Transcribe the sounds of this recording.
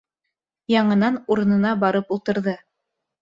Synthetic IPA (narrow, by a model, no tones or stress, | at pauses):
jɑɴɤ̆nɑnuɾɤ̆nɤ̆nɑbɑɾɤpulˠt̪ɤ̆ɾðɤ